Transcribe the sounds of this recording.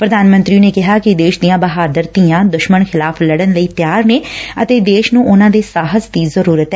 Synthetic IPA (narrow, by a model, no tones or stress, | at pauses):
pɾəd̪aːnmə̃nt̪ɾineːkɪɦaːkɪd̪eːʃd̪ijãːbəɦaːd̪əɾt̪ijãːd̪ʊʃməɳxʰɪlaːpʰləɽənləiːt̪jaːɾneːət̪eːd̪eːʃnũːʔʊnãːd̪eːsaːɦəzd̪iːzəɾuːɾət̪ː